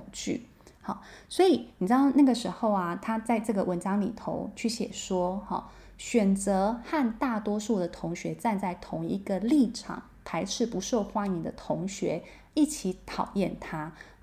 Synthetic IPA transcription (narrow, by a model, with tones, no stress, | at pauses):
ŋt͡ɕy̰˥˩ | hɑ˨˩˦swɔ˧˥i˨˩ni˨˩ʈ͡ʂɻd̪ɑ˥˧ʊna˥˩ɡə˩ʂɻ̩˧˥xo˥˩ʊɐ˩t̪ʰa˥t͡sa˥˧ɪʈ͡ʂɤ˥˩ɡə˩wə˧˥nʈ͡ʂɑ˥ŋli˨˩t̪ʰo̰˧˦ʊt͡ɕʰy˥˩ɕjɛ̰˨˩ʂwɔ˥xɑ̰˥˩ | ɕɥɛ˨˩nt͡sɤ˧˥xa˥˧nt̪a˥˩t̪wɔ˥ʂu˥˩d̪ə˩t̪ʰʊ˧˥ŋɕɥɛ˧˥t͡sa˥˧nt͡sa˥˩ɪt̪ʰʊ˧˥ŋḭ˧˥ɡə˧li˥˩ʈ͡ʂʰɑ̰˨˩˦ŋ | p̪ʰa˧˥ɪʈ͡ʂʰɻ̩˥˩pu˧˥ʂo˥˩ʊxwa˥ni˧˦ŋd̪ə˧˨t̪ʰʊ˧˥ŋɕɥɛ˧˥ | i˥˩t͡ɕʰi˧˥˦t̪ʰɑ˨˩ʊjɛ˥˩nt̪ʰa˥